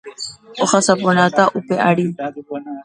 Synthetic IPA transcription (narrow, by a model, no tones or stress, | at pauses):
oxasaponat̪aʔupeʔaɽi